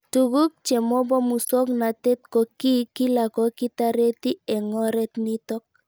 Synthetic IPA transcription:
tu˨ɡu˦k̚t͡ʃe˨mo˦bɔ˦mu˨sɔ˦kna˨te˦t̚kɔ˨ki˦ki˦la˨kɔ˨ki˦ta˦ɾe˦ti˦ɛ˨ŋɔ˦ɾɛ˦tni˦tɔ˦k̚

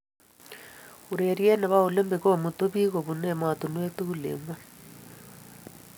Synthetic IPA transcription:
u˨ɾe˨ɾjɛ˦na˨βa˦o˨le˦mbe˨ko˦˨mu˨to˦βi˦ɣo˨βu˨nɛ˦˨ma˨tu˨nwe˦tu˦u˦lḛ˨mwa˦

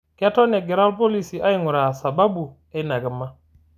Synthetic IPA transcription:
ke˦tɔ˦ne˨ɡɛ˨ɾa˦lpo˦li˦˨si˨ʔa˦ji˦ŋu˨ɾa˨sa˨ba˦bu˨ | e˦na˨ɡə˨mːa˦

